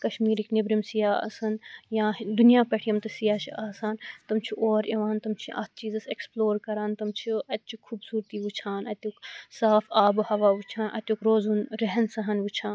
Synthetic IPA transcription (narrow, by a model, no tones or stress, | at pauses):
kɐʃmiːɾiknɪbɾimsijaːɐ̰sɐnjãːd̪unijaːpɐʈʰijɐmt̪ɐsijaːt͡ʃʰiʔaːsaːnt̪ɐmt͡ʃʰiʔoːɾɐʋaːnt̪ɐmt͡ʃʰiʔɐ̰ːt̪̚ʰt͡ʃiːzɐseksploːɾkɐɾaːnt̪ɐmt͡ʃʰuɐt̪̚t͡ʃʰukʰuːbsuːɾt̪iːʋut͡ʃʰaːnɐt̪ʲuksaːfaːbhɐʋaːʋut͡ʃʰaːnʔɐ̰t̪ʲukɾoːzunɾɐɦɐnsɐɦɐnʋut͡ʃʰaːn